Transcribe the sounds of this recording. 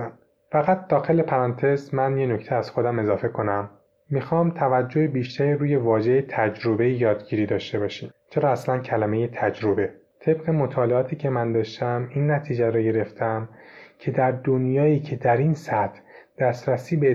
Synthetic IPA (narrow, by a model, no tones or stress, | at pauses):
fæɣæt̪̚d̪̥ɒːxe̞le̞pʰæɾɒːnt̪ʰe̞zmænje̞nocʰt̪ʰeæz̥xo̞d̪æme̞zɒːfe̞kʰo̞næmː | ixɒːmt̪ʰævæd͡ʒːoebiːʃt̪ʰæɾiɾuːje̞vɒːʒe̞jet̪ʰæd͡ʒɾo̞be̞jijɒːd̪ɟiːɾiːd̪ɒːʃt̪e̞bɒːʃiːmt͡ʃʰe̞ɾɒːæslæncʰælæme̞je̞t̪ʰæd͡ʒɾo̞be̞ | t̪ʰe̞bɢe̞mo̞t̪ʰɒːle̞ɒːt̪ʰiːcʰe̞mænd̪ɒːʃt̪ʰæminːæt̪ʰiːd͡ʒæɾɒːɟe̞ɾe̞ft̪ʰæmcʰe̞d̪æɾd̪o̞njɒːiːcʰe̞d̪æɾinsæt̪ʰd̪̥æst̪ɾæsiːbe